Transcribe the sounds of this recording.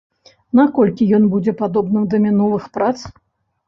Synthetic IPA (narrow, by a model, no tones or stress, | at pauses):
nakɔlʲkʲijɔnbud͡zʲɛpad̪ɔbnɨd̪ɐmʲinɔvɨxpɾat̪s